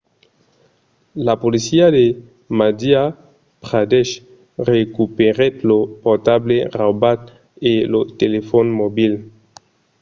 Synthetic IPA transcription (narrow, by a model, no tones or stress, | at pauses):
lapolisiade | mad̪ia | pʁad̪ɛʃ | ʁekupeʁet̪lopot̪ableʁabat̪ | elot̪elefonmobil